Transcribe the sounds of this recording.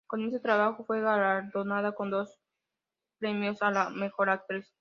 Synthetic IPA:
kones̬ot̪ɾaβaxo̞fwe̞ɣalaɾðo̞naðako̞nd̪o̞s | pɾe̞mjosalame̞xo̞ɾak̚t̪ɾis

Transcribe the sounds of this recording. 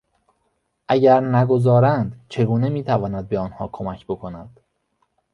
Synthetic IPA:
ʔæɟæɾnæɡo̞zɒːɾænd̪t͡ʃʰe̞ɡuːnemiːt̪ʰævɒːnæd̪̚beɒːnhɒ̰ːkʰo̞mæcʰbo̞kʰo̞næd̪̥

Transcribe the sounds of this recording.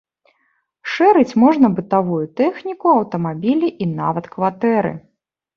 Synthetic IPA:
ʂɛɾɨt͡sʲmɔʐnɐbɨt̪avujut̪ɛxnʲikuɐwt̪ɐmabʲilʲiʔina̰vɐt̪kvat̪ɛɾɨ̰

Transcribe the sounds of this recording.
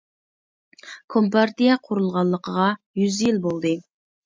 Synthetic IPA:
kʰompɑɾt̪ijɛqʰʊɾulˠʁɑnlˠːəqʰəʁɑ | jyzjilbolˠd̪ɨ

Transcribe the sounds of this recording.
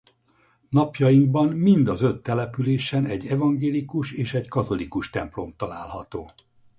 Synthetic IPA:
nɒpjɒjiŋɡ̚bɒmmind̪ɒzø̞t̪ːɛlɛpyleːʃɛnɛɟːɛvɒŋɡeːlikuʃeːʃɛckɒt̪o̞likuʃt̪ɛmplo̞mt̪ɒlaːlɦɒt̪oː

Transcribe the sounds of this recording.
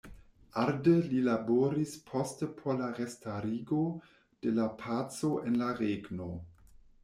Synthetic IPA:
ʔaɾdelilaboɾispʰostəpʰolaʁestaɾiːɡo | d̥elapʰat͡soʔenlaʁeɡno

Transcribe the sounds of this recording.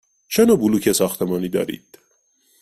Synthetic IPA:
t͡ʃʰenɒːbuluːkʰesɒːxt̪ʰemɒːniːd̪ɒ̰ːɾḭːd̪̥

